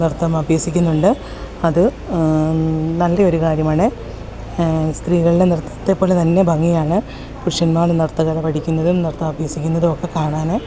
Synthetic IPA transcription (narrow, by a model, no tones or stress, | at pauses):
nirt̪ːɐmɐbʱjɐsikʲːunːuɳɖɨ | ɐðɨ | nɐlːeo̞ɾukaːɾjɐmaːɳe | st̪riːɣɐɭilenirt̪ːɐt̪ːe̞pːo̞ːlet̪ɐnːe̞bʱɐŋːijaːɳɨ | kuʈʂɐnmaːɭnɐɽt̪ːɐɣɐlɐpɐʈʰikʲːunːɐðumnɐrɐt̪ːɐmɐbʱjɐsikʲːunːɐðumokːe̞kaːɳaːne